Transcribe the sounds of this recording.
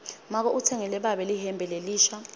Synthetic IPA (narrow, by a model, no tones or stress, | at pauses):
mak̬ɔʔutʰɛŋɛlɛɓaɓɛlihɛmbʱɛleliːʃa